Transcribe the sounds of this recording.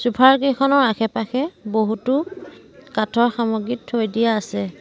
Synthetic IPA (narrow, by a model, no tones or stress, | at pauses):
supʰaɹkekʰɔnɔɹaxɛpaxɛboɦutʊ | katʰɔɹxamoɡitʰːojdijaːsɛ